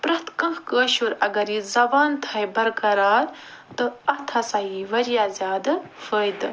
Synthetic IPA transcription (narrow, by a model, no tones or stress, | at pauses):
pɾɐt̪ʰkɐ̃xkəːɕuɾɐɡɐɾizɐbaːnt̪ʰajbɐɾkɐɾaːɾt̪ɨɐt̪ʰɐsajiːʋɐɾijaːzʲjaːd̪ɐ | fəjd̪ɨ